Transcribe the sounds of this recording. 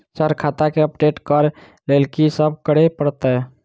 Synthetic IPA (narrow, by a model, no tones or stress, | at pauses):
səɾkʰaːt̪akeəpɖeːʈkəɾ | leːlkisəb̚kəɽepəɽt̪ɛ